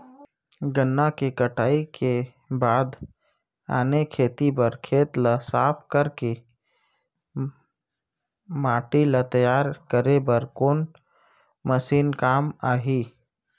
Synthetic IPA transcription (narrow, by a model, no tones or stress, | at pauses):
ɡənːakekəʈʰaːike | baːd̪ | a̰ːnekʰeːt̪ipəɾkʰeːt̪ləsaːp̚ʰkəɾke | maːʈilət̪əjaːɾkəɾebəɾkoːn | məsiːnkaːmaːɦi